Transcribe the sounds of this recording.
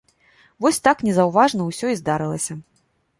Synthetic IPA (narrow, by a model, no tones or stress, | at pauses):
vɔsʲt̪aknʲɛzɐwvaʐnɐwsʲɔizd̪aɾɨlˠɐsʲɐ